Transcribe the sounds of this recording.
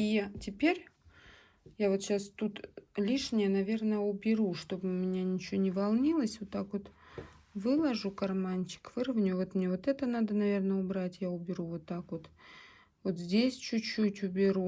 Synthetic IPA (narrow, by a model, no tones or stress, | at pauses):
itʲɪpʲeɾʲ | javo̞t̪ɕast̪ut̪lʲiʂnʲɪjənɐvʲe̞rnəjəʊbʲɪɾuʂt̪o̞bɨmʲɪnʲanʲɪt͡ɕɪonʲɪvɐlˠnʲilˠəsʲvot̪ːakvo̞t̪ | vɨlˠɐʐukɐrmanʲt͡ɕɪ̥kv̥ɨɾəvnʲʊʊvo̞t̪mnʲevo̞t̪ɛt̪ənad̪ənɐvʲe̞rnəʊbɾatʲjaʊbʲɪɾuvot̪ːakvo̞t̪ | vo̞t̪zʲdʲesʲt͡ɕʊt͡ɕːutʲʊbʲɪɾu